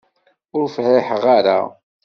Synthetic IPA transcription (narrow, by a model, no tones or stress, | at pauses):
ʊɾfʕɪħʁaɾa̰